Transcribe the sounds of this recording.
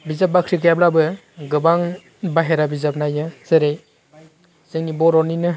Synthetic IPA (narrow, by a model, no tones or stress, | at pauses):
bizap̚bakʰɾikɯjablabɯ | ɡɯbaŋ | baɦeɾabizap̚najɯz̥ɯɾej | z̥ɯŋnibɔɾɔninɯ